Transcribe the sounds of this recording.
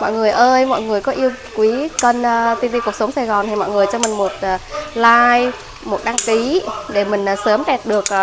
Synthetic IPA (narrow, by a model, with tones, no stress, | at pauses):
mɔ̰˧˨jŋɨ˨˩əjʔəː˧jmɔ̰˧˨jŋɨ˨˩əjkɔ˨˦ʔi˧əwkwi˨˦kə˧nː˨˧t̪i˧nt̪i˧ku˨˩ək̚sə˨˦ŋ͡msa˧˩jɣɔ˨˩nt̪ʰi˨˩mɔ̰˧˨jŋɨ˨˩əjt͡ɕɔ˧mï˨˩ŋmo˨˩t̚ʔːlaː˧j | mo˨˩t̚ɗaː˧ŋki˨˦ɗe˧˩mï˨˩ŋ̟ʔsəː˨˦mɗɛ˨˩t̚ɗɨ˨˩ək̚ː